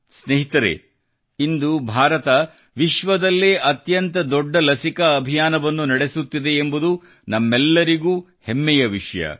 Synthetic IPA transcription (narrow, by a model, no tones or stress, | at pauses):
sneɦit̪ɐɾḛ | ind̪ubʱaːɾɐt̪ɐ | ʋiʃʋɐd̪ɐlːeːʔɐt̪jɐnt̪ɐd̪ɔɖːɐlɐsikɐːbʱijaːnɐʋɐnːunɐɽe̞sut̪ːid̪e̞ːmbud̪u | nɐmːɛlːɐɾiɡuː | hemːɛjɐʋiʂɐjɐ̰